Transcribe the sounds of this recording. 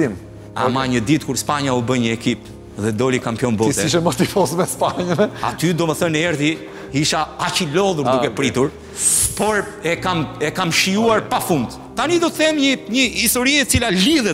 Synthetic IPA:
im | amaɲəd̪it̪̚kuɾspaɲaubəɲəɛkip | ðɛd̪ɔlikampjɔnbɔsiʃ̬ɛmɔt̪ifɔsmɛspaɲəna̰t̪yd̪ɔmɛθənɛɾði | iʃaat͡ʃilɔðuɾd̪ukɛpɾit̪uɾ | pɔɾ | ɛkamɛkamʃiuaɾpafund̪ | t̪anid̪ɔt̪əθɛmɲəɲəist̪ɔɾiɛt͡silaliðɛt̪

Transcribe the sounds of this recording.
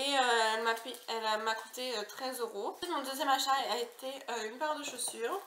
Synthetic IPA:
eøɛlmaiɛlamaku̥t̪eøt̪χɛzøʁot̪mɔ̃d̪øzjɛmaʃaɛlaet̪eøynpaʁd̪əʃosyːʁ

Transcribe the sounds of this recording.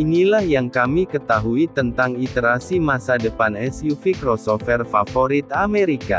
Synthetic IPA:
inilahjaŋkamikət̪aɦuit̪ənt̪aŋit̪əɾasimasadəpanɛsjufikɾɔsɔfɛrfafoɾit̪ameɾika̰

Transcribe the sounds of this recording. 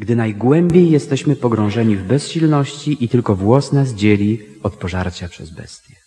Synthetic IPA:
ɡd̪ɘnajɡwɛmbʲjejːɛst̪ɛɕmɘpɔɡɾɔ̃w̃ʐɛɲivbɛsɕilnɔɕt͡ɕiʔit̪ɘlkɔvwɔsnaz̬d͡ʑelʲiɔt̪pɔʐaɾt͡ɕapʂɛzbɛ̰st̪ʲjɛ

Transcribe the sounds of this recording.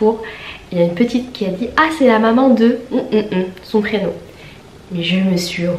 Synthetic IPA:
puʁiljaynpət̪it̪kʲiad̪iasɛlamamɑ̃d̪əm̩sɔ̃pχenɔ̃ | mɛʒəməsɥi

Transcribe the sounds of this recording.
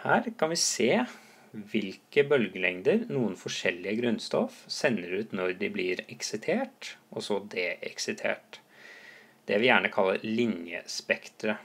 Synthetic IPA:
hæːɾkʰɑnʋɪseː | ʋɪlkəbœlɡəlɛŋd̪əɾnuːənfɔʂɛlːɪəɡɾʉnst̪ɔfsɛnːəɾʉːt̪nɔɾd̪ɪblɪɾɛksɪt̪ʰeːʈʔɔsɔd̪eːʔɛksɪt̪ʰḛːʈ | d̪̥ɛʋɪjæːɳəkʰɑlːəɾlɪnjə̰spɛkt̪ɾə

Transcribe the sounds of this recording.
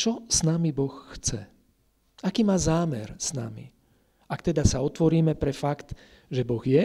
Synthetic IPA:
t͡ʃɔsnamibɔxːt͡sɛ̰ | akiːmaːzaːmɛ̰ɾsna̰mḭ | akt̪ɛd̪asaɔt̪ʋɔɾiːmɛpɾɛfakt̪ | ʒɛbɔɣjɛ

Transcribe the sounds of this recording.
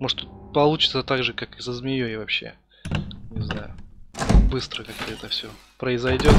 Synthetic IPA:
moʐ̥t̪pɐlˠut͡ɕɪ̥t̪sət̪aɡʐɨkakɨsəzmʲɪjojavɐpɕːe̞̰ | nʲɪznajʊ̰ | bɨst̪ɾəkak̚t̪əɛt̪əfsʲɵ | pɾəɪzɐjdʲo̞t̪

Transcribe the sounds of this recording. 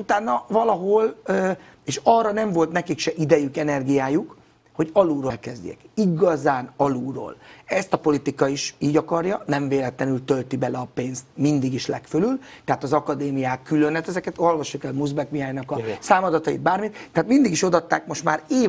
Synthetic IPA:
ut̪aːnːɒvɒlɒɦo̞løː | eːʃɒrːɒnɛɱvo̞lt̪nɛkikʃɛʔid̪ɛjykɛnɛrɡijaːjuk | ho̞ɟɒluːɾolkɛzd̪ḛkiɡɒzaːnɒluːro̰ːlɛst̪ɒpo̞lit̪ikɒiʃiːɟɒkɒrjɒnɛɱveːlɛt̪lɛnylt̪ø̞lt̪ibɛlɛɒpeːnst̪mind̪iɡiʃlɛkfølylt̪ɛɦaːt̪ɒzɒkɒd̪eːmijaːkːylø̞nɛt̪ɛzɛkɛt̪o̞lvɒʃːukɛlmuzbɛkmijaːɲnɒkɒsaːmɒd̪ɒt̪ɒḭd̪̚baːrmit̪t̪ːɛɦaːt̪mind̪iɡiʃo̞d̪ɒt̪ːaːkmo̞ʃt̪maːɾeː

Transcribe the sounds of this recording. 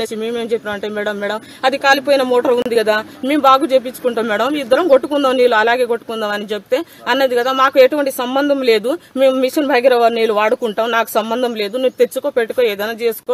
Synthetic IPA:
esimeːmeːmt͡ʃepʲːaːmɐɳʈeːmɛːɽɐmːɛːɽɐm | ɐd̪ikaːlipoːjinɐmɔːʈɐɾund̪iɡɐd̪aːme̞ːmbaːɡuːt͡ʃeːp̬it͡ʃːu̥kuɳʈaːmːɛːɽɐmid̪ːɐɾɐmɡoʈːukund̪aːmniːluɐlaːɡeːɡoʈːu̥kund̪aːmɐnid͡ʒebut̪eː | ɐnːɐd̪iɡɐd̪aːmaːkueʈuʋɐɳʈisɐmbɐnd̪ʱɐmle̞ːd̪ume̞ːmumiʂɐnbʱajɡɐɾɐʋɐːɾniːluʋaːɽukuɳʈaːmnaːku̥sɐmbɐnd̪ʱɐmle̞ːd̪unuut̪e̞t͡ʃːukoːpeʈːukoːɛːd̪ɐjnaːt͡ʃe̞ːsu̥koː

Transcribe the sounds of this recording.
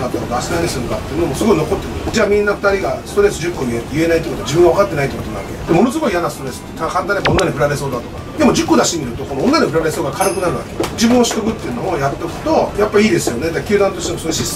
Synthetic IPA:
kat̪ːanoɡ̪asɨ̥naɾʲisɨŋokat̪ːeɯ̟nomosɨɡo̞ino̞ko̞t̪ːe̞ɯd͡ʑaːmʲĩnːaɸɯ̥t̪aɾʲiɡasɨ̥t̪o̞ɾe̞s̬ɨd͡ʑɨkːomʲiet̪ejɯ̟e̞nait̪ːikot̪oad͡ʑibɯ̟̃ŋɡaβakat̪ːe̞nait̪ːikot̪oaβaked̪̥e̞mo̞no̞s̬ɨɡo̞ijanasɨ̥t̪oɾe̞sɨ̥et̪akãnt̪anɲeaonːaɲʲiɸɯ̟ɾabe̞soːd̪at̪o̞kad̪e̞mo̞d͡ʑɨkːo̞d̪aɕit̪emʲiɾɯ̟t̪o̞ko̞noonːaɲʲiɸɯ̟ɾabe̞so̞ːɡakʰanakɯ̟naɾɯ̟βa̰ked͡ʑibɯ̃ɰ̃o̞ɕi̥t̪okɯ̟t̪ːeiɯ̟no̞ːjat̪ːokɯ̟̥t̪o̞japːaiiːd̪e̞sɨjo̞ne̞d̪akʲɨ̟ːd̪ãnt̪o̞ɕi̥t̪eosoesis

